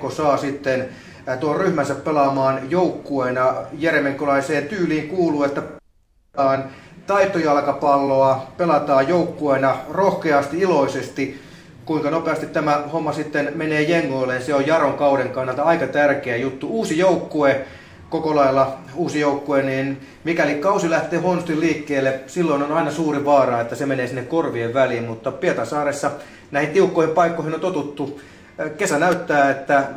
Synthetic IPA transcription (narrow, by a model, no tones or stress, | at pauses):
kosɑːsit̪ːen | t̪uolryhmænsæppelɑmɑːnjoukːuenɑjeremeŋkːolɑiseːnt̪yːliːŋkuːluːet̪ːæp | ɑːnt̪ɑit̪ːojɑlkɑpɑlːoɑpelɑt̪ɑːjjoukːuenɑrohkeɑst̪iiloisest̪i | kuiŋkɑnopeɑst̪it̪t̪æmæhomːɑsit̪ːenmeneːjeŋːoilːejɑseojjɑroŋkɑuɾeŋkɑnːɑlt̪ɑikɑt̪ærkeæjut̪ːuuːsijoukːue | kokolɑilːɑ | uːsijoukːueniːn | mikælikɑusilæht̪ˑeːhoonst̪iliːkːeːlːesilːoinonɑinɑsuːriʋɑːrɑːet̪ːæsemeneːsinːekkorʋieʋʋæliːmmut̪ːɑpiet̪ɑsɑːresːɑ | næihint̪iukːoˑihimpɑikːoˑihinont̪ot̪ut̪ːu | kesænæyt̪ːæːet̪ːæ